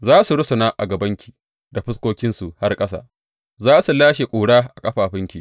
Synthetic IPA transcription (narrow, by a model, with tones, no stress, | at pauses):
zaː˦su˨ɽʊ˦sʊ˨naː˦ʔa˨ɡɐ˨bɐ˦ŋkʲi̥ː˨ | da˨ɸɪ˦skʷoː˦kʲɪ˦nsu˨ha˦rkʼɐ˦s̬a̰ː˨ | zaː˦su˨laː˦ʃe˨kʷʼuː˨ɽaː˦ʔa˨kʼɐ˦ɸaː˨ɸɪ˦ŋkʲiː˨